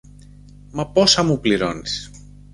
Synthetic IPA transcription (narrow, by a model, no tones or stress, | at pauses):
mɐpo̞sɐmupliɾo̞̰nis